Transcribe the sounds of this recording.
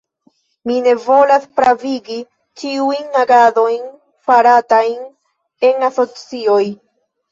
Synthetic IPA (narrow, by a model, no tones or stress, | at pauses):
mine̞vo̞laspɾaviɡi | t͡ʃiujnːaɡado̞jn | faɾatajn | e̞naso̞t͡sio̞j